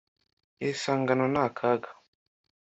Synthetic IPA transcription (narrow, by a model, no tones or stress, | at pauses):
esaːŋɡanonakʰaɡḁ